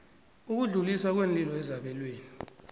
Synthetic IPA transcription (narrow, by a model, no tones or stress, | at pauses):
uk̬uɮuliswak̬wenlʼilɔɛzaɓɛlweːni